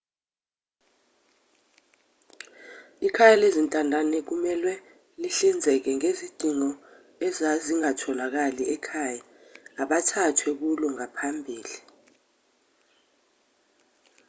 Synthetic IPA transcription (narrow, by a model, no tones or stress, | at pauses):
ikʰajalezintʼandʱanɛk̬umɛlwɛ | liɬind͡zʱɛk̬ɛŋezid̥ʱiŋɔ | ɛzaziŋatʰɔlak̬aliɛkʰaːja | aɓatʰatʰwɛk̬ulɔŋapʰambʱiːli